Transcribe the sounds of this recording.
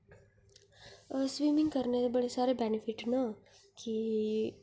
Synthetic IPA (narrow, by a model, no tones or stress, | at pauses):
sʋiːmɪ̃ŋɡkəɾnet̪ebɐɽesaːɾebɛnɪfʰɪʈnɐ | ki